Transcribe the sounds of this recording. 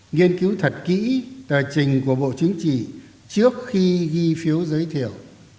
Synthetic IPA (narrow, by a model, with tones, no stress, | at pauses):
ŋi˧ənki˨˦wt̪ʰə˨˩t̚kḭ˧˥t̪əː˨˩t͡ɕï˨˩ŋ̟ku˧˩əɓo̰˧˨t͡ɕï˨˦ŋ̟t͡ɕḭ˧˨ | t͡ɕɨ˦˥ək̚xi˧ɣi˧fi˨˦əwzəː˨˦jt̪ʰi˧˩əw